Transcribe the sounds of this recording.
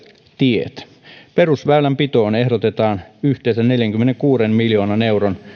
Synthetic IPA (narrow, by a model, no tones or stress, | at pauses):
t̪iḛt̪ | perusʋæylæmpit̪oːnehɾot̪et̪ɑːnyht̪eːsænneljæŋkymːeneŋkuːɾemmiljo̞ːnɑnewron